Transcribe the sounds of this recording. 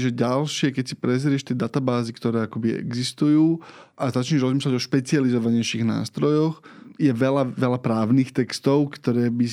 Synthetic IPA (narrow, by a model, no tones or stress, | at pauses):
ʒɛɟalʃɪɛkɛcsipɾɛzɾɪɛʃt̪ɛd̪at̪abaːzikt̪ɔɾɛːakɔbiɛ̰ɡzist̪ujuːʔazat͡ʃɲɛʒɾɔzmislaɟɔʃpɛt͡sializɔʋaɲɛjʃiɣna̰ːst̪ɾɔjɔxjɛʋɛlaʋɛlapɾaːʊniːxt̪ɛkst̪ɔʊkt̪ɔɾɛːbi